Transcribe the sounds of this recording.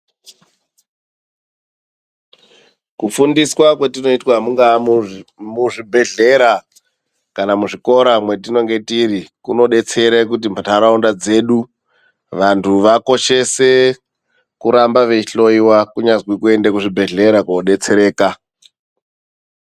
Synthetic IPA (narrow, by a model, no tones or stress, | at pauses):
kufundiswakwetino̞itwamuŋɡa | muʐibʱe̞ɮe̞ɾa | kanamuʐiko̞ɾamwe̞t̬ino̞ŋɡe̞tiɾikuno̞ɗe̞t͡se̞ɾek̬ut̬imataɾaundad͡ze̞ːɗu | ʋantʰuʋako̞ʃe̞se̞ | kuɾambaʋe̞iɬo̞iwakuɲazwikue̞ndekuʐibʱe̞ɮe̞ɾakooɗe̞t͡seɾe̞ːka